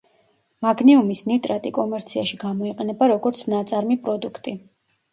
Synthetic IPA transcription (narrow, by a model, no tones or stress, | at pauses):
maɡniumisnit̪ʼɾat̪ʼikʼɔmɛɾt̪sʰiaʃiɡamɔiqʼɛnɛbaɾɔɡɔɾt̪sʰnat̪sʼaɾmipʼɾɔd̪ukʰt̪ʼi